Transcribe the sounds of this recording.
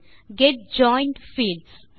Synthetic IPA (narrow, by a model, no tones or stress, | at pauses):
ɡɛʈ̚d͡ʒɔ̃ɪ̃ɳɖfiːlɖs